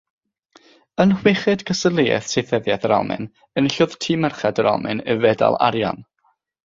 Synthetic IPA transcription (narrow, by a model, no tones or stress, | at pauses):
ənhwɪχɨdkʰəsəlˠiːɛ̰θsʰejθɛðjɛθəɾawmɨ̰n | ənɬʊðtʰiːmɛrχɛdəɾa̰mɨnəvɛda̰lˠa̰ɾja̰n